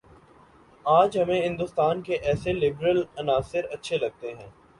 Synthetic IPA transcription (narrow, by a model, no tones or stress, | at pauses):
aːd͡ʒɦɐmẽɦɪ̃nd̪ʊst̪aːnkeʔɛːselɪbɾəlɐnaːsɪɾɐtːʃʰelɐɡ̚t̪eɦɛ̃ː